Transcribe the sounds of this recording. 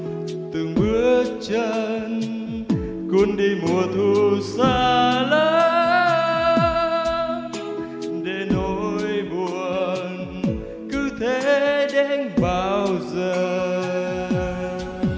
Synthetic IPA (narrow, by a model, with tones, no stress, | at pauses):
t̪ɨ˨˩ŋɓɨ˧˦ət͡ɕə˧n | ku˧˦ənɗi˧mu˨˩ət̪ʰu˧saː˧ləː˧˦ | ɗe˧˩no˧˨jjɓu˨˩ə | n | kɨ˧˦t̪ʰe˧˦ɗe˧nɓaː˧˩wzəː˨˩˨